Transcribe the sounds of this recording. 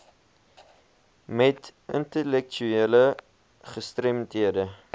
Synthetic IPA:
mɛtə̰ntəlɛk̚t͡ʃyeələ | χəstrɛmtiədə

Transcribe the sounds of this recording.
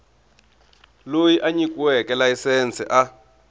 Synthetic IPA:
lojiʔaɲikʼwɛkɛlaisɛnt͡sʰʼɛ̰ʔa

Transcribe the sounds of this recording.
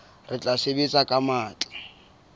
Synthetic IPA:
rɪt͡ɬʼasebet͡sʼakʼamaːt͡ɬʼɛ̥

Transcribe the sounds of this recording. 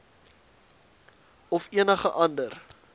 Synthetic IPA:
ɔfiənəχəʔɐndər

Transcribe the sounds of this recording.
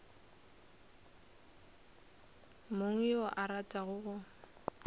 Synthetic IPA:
moŋ̩jɔʔaɾatʼaɣʊɣʊ

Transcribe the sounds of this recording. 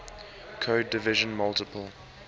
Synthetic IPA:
kʰoːdɪvɪʒə̃nmʌltɪpəlˠ

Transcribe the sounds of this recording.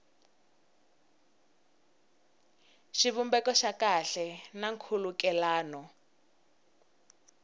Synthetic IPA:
ʃiβumbɛkɔʃakaɬɛnaŋkʰulukɛlaːnɔ

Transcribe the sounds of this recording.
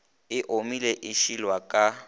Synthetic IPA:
ɪʔomileʔɪʃilwakʼa

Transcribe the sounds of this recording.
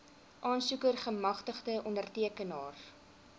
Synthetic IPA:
ʔɑːnsukərχəmɐχtəχdəʔɔndərtiəkənɑːr

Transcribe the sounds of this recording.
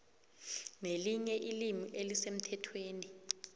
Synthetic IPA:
neliɲɛʔilimiʔelisem̩tʰɛtʰweːni

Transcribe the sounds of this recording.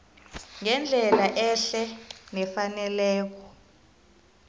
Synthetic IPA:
ŋɛnd͡ɮʱɛlaʔɛɬɛnɛfanɛlɛːk̬ɔ

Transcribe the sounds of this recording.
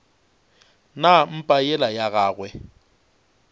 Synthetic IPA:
nam̩pʼajɛlajaɣaːɣwɛ

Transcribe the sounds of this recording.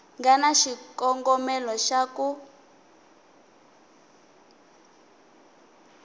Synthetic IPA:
ŋɡanaʃikɔŋɡɔmɛlɔʃaku

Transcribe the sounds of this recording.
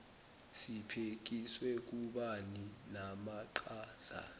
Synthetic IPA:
sipʰek̬iswɛk̬uɓaninamaǃaːz̥a̰

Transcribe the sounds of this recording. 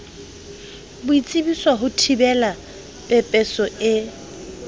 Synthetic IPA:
bʊit͡sʼɪbiswaɦʊtʰibɛla | pʼɛpʼɛsɔʔɪ

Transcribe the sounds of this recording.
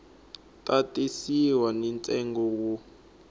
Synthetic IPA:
tʼatʼisiwanɛnt͡sʼɛŋɡɔk̬u

